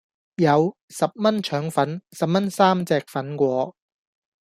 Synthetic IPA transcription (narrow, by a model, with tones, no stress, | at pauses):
jɐ˨˧w | sɐ˨p̚mɐ˥nt͡ʃʰœː˨˥ŋfɐ˨˥nsɐ˨p̚mɐ˥nsaː˥mt͡sɛː˨k̚fɐ˨˥nkʷɔː˨˧